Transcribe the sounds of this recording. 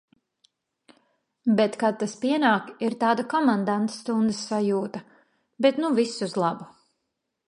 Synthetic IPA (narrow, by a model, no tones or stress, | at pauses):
bɛt̪kad̪̚t̪ːaspiɛnaːkiɾt̪aːd̪akɔmand̪ant̪st̪und̪ɨsːajuːt̪ɐ | bɛt̪nuvisuzlˠɑbu